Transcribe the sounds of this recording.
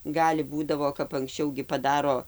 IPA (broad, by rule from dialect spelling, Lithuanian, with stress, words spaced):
ˈɡɑːlʲɪ ˈbuːdɐʋoː kɐp ɐŋksʲˈt͡ʃʲɛʊ ɡʲɪ pɐˈdɑːroː